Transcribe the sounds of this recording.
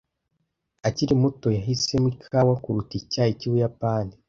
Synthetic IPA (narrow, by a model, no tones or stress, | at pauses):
aciɾimuto̞jaɦise̞mwikʰawakuɾuticaːjiciwujapaːni